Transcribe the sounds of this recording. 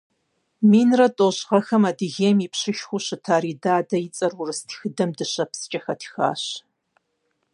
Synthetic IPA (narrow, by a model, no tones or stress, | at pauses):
miːnrɐtʼoʑʁɐxɐmadɨɣeːmipɕɨʃxʷuɕɨtʰaːɾiːdaːdɐjɪt͡sʼɐrʊrɨstʰi̥xɨdɐmdɨɕɐpst͡ʃʼɐxɐtʰi̥xa̰ːɕ